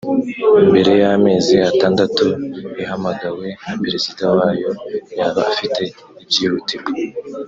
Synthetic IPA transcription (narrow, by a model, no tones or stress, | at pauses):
imbe̞ɾe̞jame̞ːziataːndatuihamaɡawe̞napeɾe̞zidawaːjo̞jaːβaafite̞ | ibɟiːhuti